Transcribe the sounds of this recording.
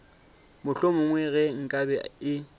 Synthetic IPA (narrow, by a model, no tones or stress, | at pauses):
mʊɬomʊŋwɛɣɛŋ̩kʼabɛɪ